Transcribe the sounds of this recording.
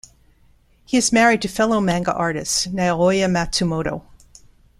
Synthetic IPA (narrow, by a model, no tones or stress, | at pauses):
hiɨzmɛɹid̚tʰɨfɛlˠoʊmæ̃ŋɡə̰ʔɑɹɾɨ̰stnaɪəlɔjɨmætɨmoʊɾo̰ʊ